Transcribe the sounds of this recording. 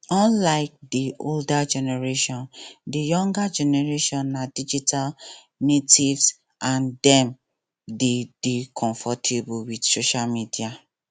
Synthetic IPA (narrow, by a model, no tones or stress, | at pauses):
ɔ̃nlaɪk̚dioldad͡ʒɛnɛɹeʃɔ̃ndijɔ̃ŋɡad͡ʒɛnɛɹeʃɔ̃nːadid͡ʒitʰal | netivs | ʔãndɛ̃m | dedikʰɔ̃ɱfɔtʰebuwidsoʃalmidia